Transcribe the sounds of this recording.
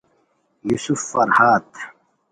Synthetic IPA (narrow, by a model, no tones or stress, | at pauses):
jusufːɐɾhaːt̪